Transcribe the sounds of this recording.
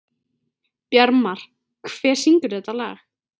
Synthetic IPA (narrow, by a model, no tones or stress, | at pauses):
pjaɾmaɾ̥ | kʰv̥ɛːɾ̥siŋkʏɾ̥θɛt̪alɛ̰ːɣ